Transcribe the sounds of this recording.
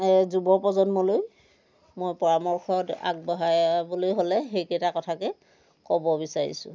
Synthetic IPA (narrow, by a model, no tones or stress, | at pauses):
ɛzubɔpɔzɔnmɔloj | mojpɔɹamɔɹxʰɔta̰ɡ̚bɔɦajbolojɦolɛxejkɛtakɔtʰakɛ | kɔbɔbisaɹḭsʊ̰